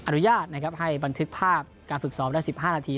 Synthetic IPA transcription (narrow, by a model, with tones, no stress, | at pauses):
ʔa˧nu˦˥jaː˥˩t̪̚na˥kʰa˦˥p̚ɦa˥˩jba˧nt̪ʰɯ˦˥k̚pʰaː˥˩p̚kaː˧nfɯ˨˩k̚sɔː˦˥mlɛ˦˥si˨˩p̚ɦaː˥˩naː˧t̪ʰiː˧